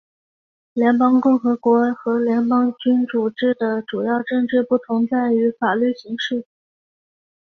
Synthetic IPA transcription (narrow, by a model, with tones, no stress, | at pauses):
ljɛ˧˥npɑ˥ŋkʊ˥˩ŋxɤ˧˥kwɔ˧˥xɤ˧˥ljɛ˧˥ŋpɑ˥ŋt͡ɕy˥nt͡su˨˩ʈ͡ʂɻ̩˥˩d̪ə˩ʈ͡ʂu˨˩jɑ˥˧ʊʈ͡ʂɤ˥˧ŋʈ͡ʂɻ̩˥˧pu˥˩t̪ʰʊ˧˥ŋt͡sa˥˩ɪy˧˥fa˨˩ly˥˩ɕi˧˥ŋʂɻ̩˥˩